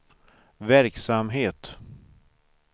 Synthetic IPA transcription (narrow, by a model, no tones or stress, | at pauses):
væɾksamɦeːt̪